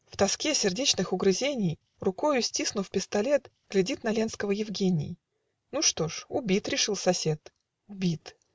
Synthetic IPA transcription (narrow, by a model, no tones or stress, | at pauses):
ft̪ɐskʲesʲɪrdʲet͡ɕnɨxʊɡɾɨzʲenʲɪj | rʊkojʊsʲtʲisnʊfpʲɪst̪ɐlʲe̞t̪ | ɡ̥lʲɪdʲit̪nɐlʲe̞nskəvəjɪvɡʲenʲɪ̰j | nuʂt̪o̞ʂʊbʲit̪ɾʲɪʂɨlˠsɐsʲet̪ | ʊbʲit̪